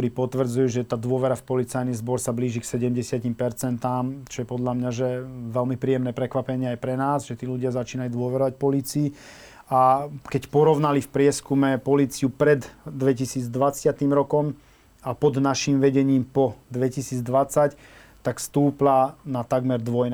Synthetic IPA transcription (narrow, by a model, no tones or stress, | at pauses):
t̪ɔɾiːpɔt̪ʋr̩d͡zujɛʒɛt̪aːd̪ʊɔʋɛɾafpɔlit͡sajnizbɔɾsabliːʒiksɛɟɛmɟɛsɪacimpɛɾt͡sɛnt̪aːmt͡ʃɔjɛpɔd̪ʎamɲaʒɛʋɛlmipɾiːɛmnɛːpɾɛkʋapɛɲɪɛajpɾɛnaːzʒɛt̪iːluɟɪazat͡ʃiːnajud̪ʊɔʋɛɾɔʋac̚pɔliːt͡sii | akɛcpɔɾɔʋnalifpɾɪɛskumɛpɔliːt͡siupɾɛd̪ːʋɛcisiːd͡zd̪ʋat͡sɪat̪iːmɾɔkɔm | apɔd̪naʃimʋɛɟɛɲiːmpɔd̪ʋɛcisiːd͡zd̪ʋat͡sac | t̪akfst̪uːplanat̪aɡmɛɾd̪ʋɔjn